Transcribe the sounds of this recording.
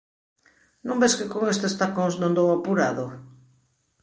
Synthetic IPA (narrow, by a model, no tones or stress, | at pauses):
nõmbeskɪkoŋest̪est̪akoŋznõnd̪owapuɾaðo